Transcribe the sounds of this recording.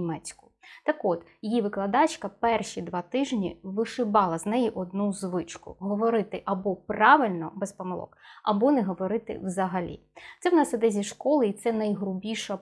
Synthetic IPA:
mɛt͡sʲkʊ̥ | t̪ɐkɔt̪jjiʋɪklˠɐd̪ɑt͡ʃkɐpɛrʃʲid̪ʋɑt̪ɪʒnʲḭʋɪʃɪbɑlˠɐznɛjiʔɔd̪nuzʋɪt͡ʃkʊ̰ɦɔʋɔɾɪt̪ɪʔɐbɔprɑʋɪlʲnɔbɛspɔmɪlˠɔ̰kɐbɔnɛɦɔʋɔɾɪt̪ɪ̰wzɐɦɐlʲḭ | t̪sɛwnɑsid̪ɛzʲiʃkɔlˠɪit̪sɛnɐjɦrʊbʲiʃɐ

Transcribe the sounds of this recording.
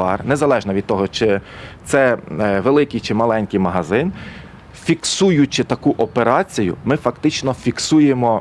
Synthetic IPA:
ɑrnezɐlˠɛʒnɐʋʲid̪̚t̪ɔɦɔt͡ʃɪt̪sɛʋelˠɪkɪjt͡ʃɪmɐlˠɛnʲkijmɐɦɐzɪn | fʲiksujʊt͡ʃɪt̪ɐkuʔɔpeɾɑt͡sʲijʊ̰mɪfɐkt̪ɪt͡ʃnɔfʲiksujemɔ

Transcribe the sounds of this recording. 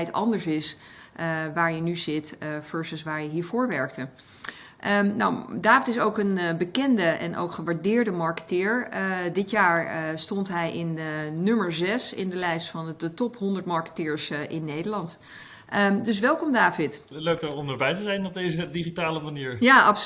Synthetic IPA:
jtɑ̰ndəɹsɪs | ʔəʋaːɹjənyzɪtføɹsəsʋaːɹjəɦiːɹvʊːɹʋɛɹk̚tə | ʔəna̰wdaːfɪtɪsowkənbəkɛndəʔɛ̰nʔo̰wkχəʋaɹdɪːɹdəmɑɹkə̥tɪːɹədɪtjaːɹəstɔntɦɛjʔɪnːɵməɹzɛsɪ̰ndəlɛjstfɑndətɔpɦɔndəɹtmɑɹkə̥tɪːɹsʔɪnːejdəɹlɑnt | ʔədɵs̬ʋɛlˠkɔmdaːvɪtløɥk̚dɔɹɔməɹbɛjtəzɛjnɔb̚dejzədiχitaːləmaniːɹjaɑp

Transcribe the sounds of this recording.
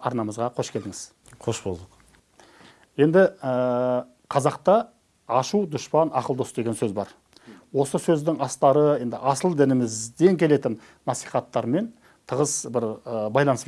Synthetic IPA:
ɑɾnɑməzʁɑqʰo̞ʃkʲʰe̞ld̪ɪŋɪz̥ | qʰoʃbolˠd̪əq | je̞nd̪ɪə | qʰɑzɑqt̪ɑː | ʃud̪ʊʃpɑnɑqəlˠd̪o̞sd̪e̞ɡʲensɵzbɑɾ | wo̞səsɵzd̪ɪŋɑst̪ɑɾəje̞nd̪ɪʔɑsəlˠd̪ɪnɪmɪzd̪e̞ŋkʲʰe̞le̞t̪ɪnːɑsijχɑt̪ːɑɾme̞n | t̪ʰəʁəzbɪɾəbɑjlˠɑnəs

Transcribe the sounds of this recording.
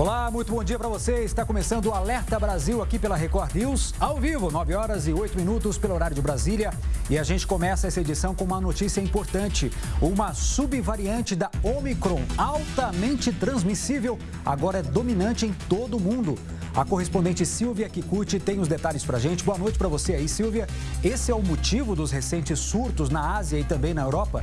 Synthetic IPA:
olamũj̃t̪ʊbõd͡ʒiɐpɾɐvoseɪst̪akomesɐ̃nd̪ʊːalɛɾt̪ɐbɾaziwakipelɐɦekɔɾiwsawvivʊnɔvɪɔɾɐzɪojt̪ʊminut̪ʊspelʊoɾaɾjʊd͡ʒɪbɾaziljɐɪaʒẽnt͡ʃɪ̥komɛsɐɛsɐed͡ʒisɐ̃w̃kõũmɐnot͡ʃisiɐĩpoɾt̪ɐ̃nt͡ʃɪũmɐsubivaɾiɐ̃nt͡ʃɪd̪ɐõmikɾõawt̪ɐmẽnt͡ʃɪt̪ɾɐ̃zmisivew | a̰ɡɔɾɐɛd̪ominɐ̃nt͡ʃɪẽj̃t̪od̪ʊmũnd̪ʊ | ɐkohespõd̪ẽnt͡ʃɪsiwviɐkɪkuɾt͡ʃɪt̪ẽj̃ʊzd̪et̪aʎɪspɾɐʒẽnt͡ʃɪboɐnojt͡ʃɪpɾɐvoseaisiwviɐ | esɪɛʊmot͡ʃivʊd̪ʊzhesẽnt͡ʃɪsːuɾt̪ʊznɐaziɐɪt̪ɐ̃mbẽj̃nɐewɾɔpɐ

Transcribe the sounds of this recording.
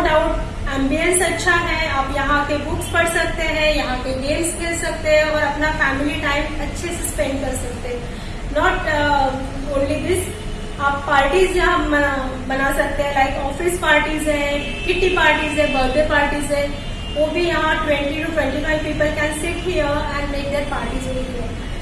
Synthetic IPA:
oɖaʊʈ | ɛ̃mbiə̃nsɐtːʃʰaɦɛ̃aːpjɐɦãkebʊkspɐɽsɐk̚t̪eɦɛ̃jɐɦãkeɖeːlskelsɐk̚t̪eɦɛ̃ɔːɾɐpnafæːmɪliʈaːɪmɐtːʃʰesɐspɛ̃ɳɖ̚kɐɾsɐk̚t̪eɦɛ̃ | nɔːʈ | õːnlid̪ɪs | aːpːaːɾʈizd͡ʒaɦɐm | bɐnasɐk̚t̪ẽɦɛ̃laɪkɔːfɪspaːɾʈizɦɛ̃ | kɪʈːipaːɾʈizɦɛ̃bɐɾd̪epaːɾʈizɦɛ̃ | ʋoːbʱijɐɦãʈwɛ̃ɳʈiʈuʈwɛ̃ɳʈifaɪʋpiːpəlkɛ̃nsɪʈɦijəɛ̃ɳɖmeːk̚d̪eːɾpaːɾʈizeĩkiə

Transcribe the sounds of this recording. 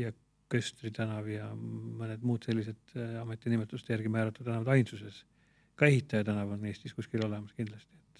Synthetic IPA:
jɑ | køst̪rit̪ænɑvjɑmɤned̪muːt̪se̞lʲːise̞d̪̥ɑmet̪ːˑinimet̪ˑːust̪jærɡ̥imæːɾɑt̪ːˑud̪̥ænɑvɑd̪ɑjnsuse̞s | kɑe̞hit̪ˑːɑjɑt̪ænɑvo̞nːe̞ːst̪iskuskilo̞le̞mɑskind̪lɑst̪iet̪ːˑ

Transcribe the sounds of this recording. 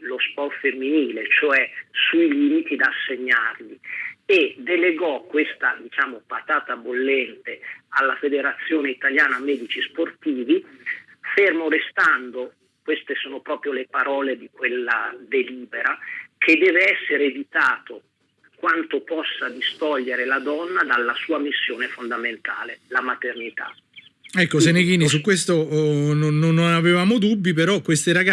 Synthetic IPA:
lospɔrt̪femːiniːlet͡ʃoɛsuiliːmit̪id̪aːsːeɲːarlied̪ːeleɡɔkːwest̪ad̪it͡ʃaːmopat̪aːt̪abolːɛnt̪ealːafed̪eɾat̪sːjoːneit̪aljaːnamɛːd̪it͡ʃisport̪iːvi | fermoɾest̪and̪o | kwest̪esoːnopɾɔːpɾjolepaɾɔːled̪ikwelːa̰d̪eliːbeɾakʰed̪ːɛːveɛsːeɾeːvit̪aːt̪o | kwant̪opɔsːad̪ist̪ɔʎːeɾelad̪ɔnːad̪alːasuːamisːjoːnefond̪ament̪a̰ːlelamat̪ernit̪a̰ | ɛkːos̬enekiːnis̬ukːwest̪ononːonːonavevaːmod̪ubːip̬eɾɔkwest̪eɾaɡa

